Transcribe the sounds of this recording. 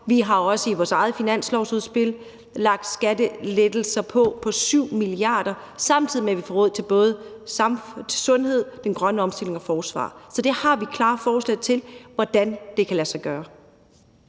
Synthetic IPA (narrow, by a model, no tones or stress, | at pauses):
ʋiɦɑ̈ɒ̽səiʋɒːsɑ̈ɪð̞̩ˠfinæn̰slɒʊsuðˠsb̥e̝l̰ | lɑ̈ɡ̥̚d̥sɡ̥æd̥əled̥l̩sɐpʰɒ̽pʰɒ̽syʊ̰miliɑ̰̈ːd̥ɐ | sɑ̈mt͡sʰið̰ˠimeæʋifɒːʁɔð̞̰ˠt͡sʰe̝lb̥ɔ̽ːð̞ˠsɑmt͡sʰesɔ̽nɦe̝ð̰ˠd̥enɡ̥ʁɶnəɒ̽msd̥e̝l̰e̝ŋɒ̽fɒːsʋɑ̰̈ːsɒ̽d̥e̝hɑ̈ʋikʰlɑ̈ːfɒːslɛðˠt͡sʰe̝lʋɒd̥ænd̥e̝kʰælæsɑ̈ɪɡ̥ɶːɐ